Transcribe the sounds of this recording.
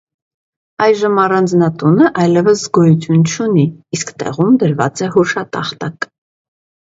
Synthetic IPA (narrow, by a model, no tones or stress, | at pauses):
ɑjʒəmɑrɑnd͡znɑt̪unəʔɑjlɛvəszɡɔjut͡sʰjunt͡ʃʰuniːskt̪ɛ̰ʁumd̪əɾvɑ̰t͡sɛhuʃɑt̪ɑ̰χt̪ɑk